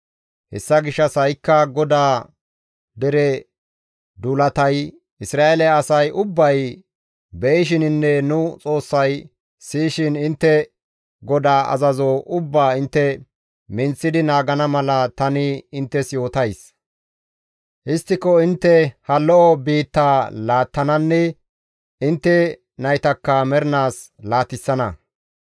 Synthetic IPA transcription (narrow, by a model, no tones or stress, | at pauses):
hɛ̰sːɐɡɪʃːɐsɐjkːɐɡɔd̪aː | d̪ɛɾɛ | d̪ulɐt̪ɐj | ɪsɾaːʔɛlɛɐsɐjʔʊbːɐj | bɛʔɪʃ̬ɪnɪnːɛnʊt͡sʼo̞ːsːɐj | siːʃɪnɪnt̪ːɛ | ɡɔd̪aːʔɐ̰zɐzoʔʊbːaːɪnt̪ːɛ | mɪnt͡sːɪd̪ɪnaːɡɐnɐmɐlɐt̪ɐnɪɪnt̪ːɛsjo̞ːt̪ɐjs | ʔɪst̪ːɪkɔɪnt̪ːɛhɐlːɔʔɔbiːt̪ːaːlaːt̪ːɐnɐnːɛ | ɪnt̪ːɛ | nɐjt̪ɐkːɐmɛɾnaːslaːt̪ɪsːɐnɐ̰